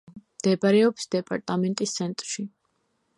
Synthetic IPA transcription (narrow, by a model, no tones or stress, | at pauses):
md̪̥ɛpaɾɛɔpsd̪ɛpʼa̰ɾt̪ʼamɛnt̪ʼist̪sʰɛnt̪ʼɾʃi